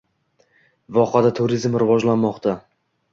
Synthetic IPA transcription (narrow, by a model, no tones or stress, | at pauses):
vɒqad̪at̪ʰʊɾɪzmɾɪvɒd͡ʒlanmɒqt̪ʰa